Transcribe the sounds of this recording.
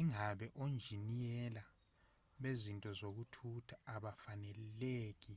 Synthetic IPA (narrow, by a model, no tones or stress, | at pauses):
iŋaɓɛʔond͡ʒʱinijɛla | ɓezintʼɔzok̬utʰutʰḁːɓafanɛleːk̬i